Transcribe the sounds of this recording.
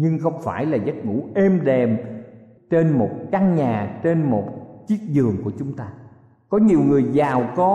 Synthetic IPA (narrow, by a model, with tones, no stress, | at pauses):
ɲɨ˧ŋxə˧wŋ͡mfaː˧˩jlaː˨˩zə˦˥t̚ŋṵ˧˥ʔe˧mɗɛ˨˩m | t͡ɕe˧nmo˨˩t̚ka˧ŋɲaː˨˩t͡ɕe˧nmo˨˩t̚t͡ɕi˦˥ət̚zɨ˨˩əŋku˧˩ət͡ɕʊ˨˦ŋ͡mt̪aː˧ | kɔ˨˦ɲi˨˩əwŋɨ˨˩əjzaː˨˩wkɔ˨˦